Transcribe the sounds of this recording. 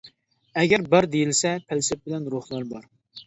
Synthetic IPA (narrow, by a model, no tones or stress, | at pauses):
ɛɡʲɛɾbəɾd̪ejilsɛpʰælsɪp̚bɪlɛnɾuhlˠɑɾbɑɾ